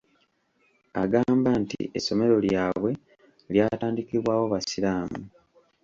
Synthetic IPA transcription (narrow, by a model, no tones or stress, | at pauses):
a̰ɡaːmbantḭḛso̞me̞ɾo̞ljaːβwe̞ | ljaːtaːndikiβwaːwo̞βasiɾaːmu